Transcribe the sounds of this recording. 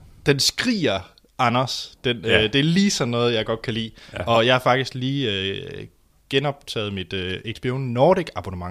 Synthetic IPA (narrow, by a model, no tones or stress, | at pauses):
d̥ensɡ̥ʁḭːɐ | ɑnɐsd̥end̥e̝æɐliːsɒ̽nːɔ̽ːð̞̩ˠjɑ̈ɪɡ̥ɒ̽d̥̚kʰælḭːɒ̽jɑ̈ɪhɑ̈fɑ̈ɡ̥d̥isɡ̥liːø | ɡ̥enɒ̽b̥̚t͡sʰɛ̰ːð̩ˠmid̥øeɡ̥sb̥ionnɒːdiɡ̥ɑ̈b̥onəmɑ̈ŋ